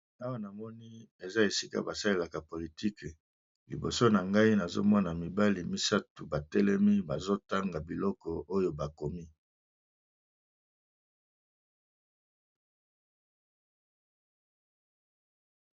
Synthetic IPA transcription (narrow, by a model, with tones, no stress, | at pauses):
a˦wa˦na˨mɔ˦ni˦e˨za˦e˨si˦ka̰˦ba˨sa˦le˦la˨ka˨po˨li˨ti˦k | lḭ˨bo̰˨so˦na˨ŋɡa˦i˦na˨zo̰˦mɔ˦na˨mi˨ba˦li˨mi˦sa˦tu˨ba˨tɛ˦lɛ˦mi˦ba˨zo˦ta˦ŋɡa˨bi˨lɔ˦kɔ˨o˦jo˨ba˨ko˨mi˦